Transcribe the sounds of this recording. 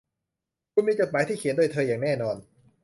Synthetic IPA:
kʰu˧nmiː˧t͡ɕo˨˩maː˨˦jt̪ʰiː˥˩kʰi˨˩˦ndu˥˩jt̪ʰɤː˧jaː˨˩ŋnɛː˥˩nɔː˧n

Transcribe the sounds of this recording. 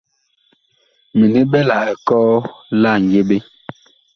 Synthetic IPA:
mi˨ni˦ɓɛ˦la˨ɛ˨kɔː˦la˦˨ŋ˨ɡe˦ɓe˦

